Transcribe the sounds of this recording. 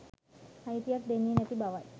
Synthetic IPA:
hajt̪ijak̚d̪enːiənɛt̪ibaʋaj

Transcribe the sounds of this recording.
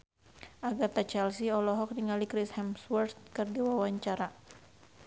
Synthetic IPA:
ʔaɡat̪at͡ʃɛlsiɔlɔɦɔk̚niŋalikɾishɛmswɛrt̪̚kɨrdiwawaɲt͡ʃaɾa

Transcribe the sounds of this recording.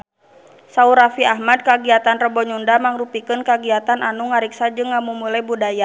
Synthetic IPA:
sauɾafiaɦmad̚kaɡiat̪anrəbɔɲundamaŋrupikɨnkaɡiat̪ananuŋaɾiksad͡ʒɨŋːamumulajbudaja

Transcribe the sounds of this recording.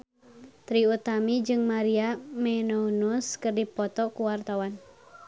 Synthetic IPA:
t̪ɾiut̪amid͡ʒɨŋmaɾiamɛnounuskɨrdipɔt̪ɔkuwart̪awan

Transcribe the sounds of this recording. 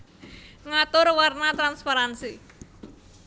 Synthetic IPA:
ŋat̪ʊɾwarnat̪ɾanspaɾansi

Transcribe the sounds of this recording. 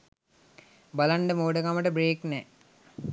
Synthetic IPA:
balaɳɖəmoːɖəkaməʈəbɾeːknɛ

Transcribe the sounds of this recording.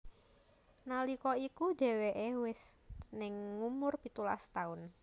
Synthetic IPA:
nalikɔikud̥e̤weʔewɪsnɪŋːumʊrpit̪ula̰st̪aʊn

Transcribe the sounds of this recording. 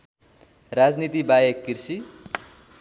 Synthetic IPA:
rad͡znit̪ibajekːirsi

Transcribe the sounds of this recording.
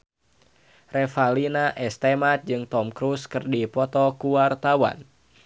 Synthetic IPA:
rɛfalinaʔɛst̪ɛmat̪̚d͡ʒɨŋt̪ɔmkɾuskɨrdipɔt̪ɔkuwart̪awa̰n

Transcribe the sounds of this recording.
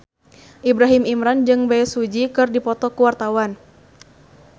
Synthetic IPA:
ʔibɾaɦimimɾand͡ʒɨŋbaɛsud͡ʒikɨrdipɔt̪ɔkuwart̪awan

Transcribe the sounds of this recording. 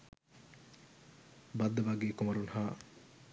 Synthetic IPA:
bɐd̪ːəʋaɡeːkomɐɾunɦaː

